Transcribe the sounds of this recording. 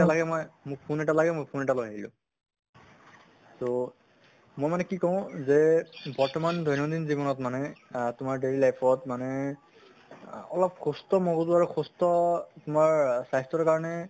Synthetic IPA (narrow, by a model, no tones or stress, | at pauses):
alaɡɛmɔjmʊk̚pʰunetalaɡɛmojpʰunetalojɦailʊ̰̃ | to | mojmanɛkikɔʊ̃zɛbɔɹtɔmandʱɔjnɔdinzibɔnɔtmanɛtʊmaɹdeɹilajpʰɔtmanɛ | ɔlɔp̚kʰustɔmɔɡɔtʊaɹukʰustɔtʊmaɹsajstɹɔkaɹɔnɛ